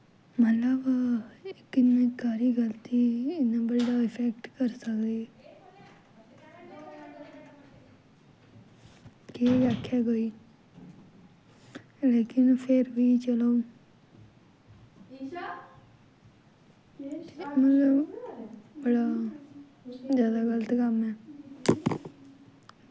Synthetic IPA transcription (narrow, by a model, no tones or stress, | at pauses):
mət̪ləb | ɪkɪnːẽkaːɾiːɡəlt̪iːɪnaːbəɖaːɪpʰɛkʈkəɾsəkd̪eː | keʋaːkʰːjaːɡəiː | leːkɪnpʰɪɾʋiːt͡ʃəlaũ | emət̪ləb | bəɽaː | zjaːd̪aːɡələt̪kəmɛː